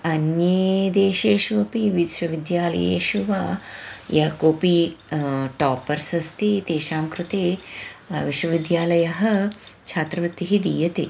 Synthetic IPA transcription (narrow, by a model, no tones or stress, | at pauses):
ɐnjed̪eːʃeːʃuʋɐpiʋiʃʋɐʋid̪jaːlɐ̰jḛːʃuʋaːjɐɦɐkoːpi | ʈaːpɐɾsɐst̪it̪eːʃaːmkɾut̪eː | ʋiʃwɐʋid̪jaːlɐjɐɦɐt͡ʃʰaːt̪ɾɐʋɐt̪ːiɦid̪iːjɐt̪e